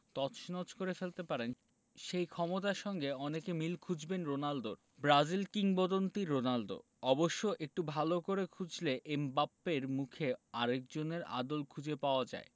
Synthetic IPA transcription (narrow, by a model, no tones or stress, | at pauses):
t̪ɔʃnɔt͡ɕkoɾefelt̪epaɾen | ʃejkʰɔmot̪aɾʃɔŋɡeɔnekemilkʰud͡ʑbenɾonald̪oɾ | bɾad͡ʑilkiŋbod̪ont̪iɾonaldo̰ | ɔboʃːoʔek̚ʈubʱalokoɾekʰud͡ʑleʔembapːeɾmukʰea̰ɾek̚d͡ʑoneɾa̰d̪olkʰud͡ʑepaoad͡ʑa̰e